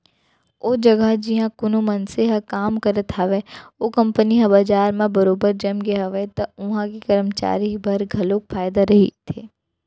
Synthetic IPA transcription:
oːd͡ʒɐɡəɦd͡ʒɪɦãkʊnomɐnseɦɐkaːmkɐɾət̪ʰaʋeoːkɐ̃mpəniɦɐbaːd͡ʒaːɾmẽbɐɾoːbəɾd͡ʒɐmɡeɦɐʋet̪ɐʊɦãkikɐɾəmt͡ʃa̰ːɾibʱɐɾɡʱɐlok̚pʰaːjd̪aɾɐɦḭt̪ʰeː

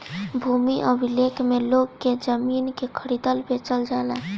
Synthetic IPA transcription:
bʱumiʔəbʱilekʰmelokːed͡ʒəminkekʰəɾid̪əlbʱet͡ʃəld͡ʒala

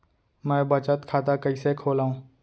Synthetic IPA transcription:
mɛ̃ːbət͡ʃət̪kʰaːt̪akɐisekʰoːlaːɦũː

